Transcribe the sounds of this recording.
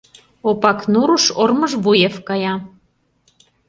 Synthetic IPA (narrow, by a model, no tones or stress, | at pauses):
opɑknuɾuʃorməʒβujefkɑjɑ